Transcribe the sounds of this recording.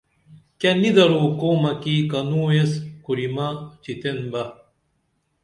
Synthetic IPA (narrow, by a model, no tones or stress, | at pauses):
kɐnid̪ɐɾoːkoːmɐkikɐnuːeskuɾimɐt͡ɕit̪enbɐ